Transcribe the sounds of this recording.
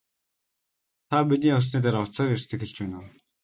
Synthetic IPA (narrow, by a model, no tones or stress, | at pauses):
t̪ʰapit̪̬niːʊs̬niːt̪̬aːɾʊwʰt͡saːrer̥st̪ʰɘ̆xĕɮt͡ɕpæːnoː